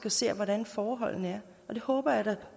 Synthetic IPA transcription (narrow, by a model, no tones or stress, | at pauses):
ɡ̥æse̝̰ːʋɒɾænfɒːɦɒ̽l̰n̩əæɐ | ɒ̽d̥e̝hɔ̽ːb̥ɐjɑd̥ɑ